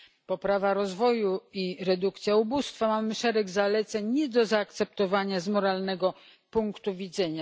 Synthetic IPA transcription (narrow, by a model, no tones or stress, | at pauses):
pɔpɾavaɾɔzvɔjuiɾɛd̪ukt̪sʲjaubust̪famamɘʂɛɾɛɡzalɛt̪sɛɲɲɛd̪ɔzaːkt̪sɛp̚t̪ɔvaɲazmɔɾalnɛɡɔ | puŋkt̪uvʲid̪zɛɲa